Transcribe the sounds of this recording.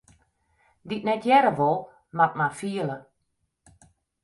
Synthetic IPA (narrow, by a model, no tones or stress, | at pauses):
ditnɛtʰjɛɾəʋolˠ | mat̚mafiələ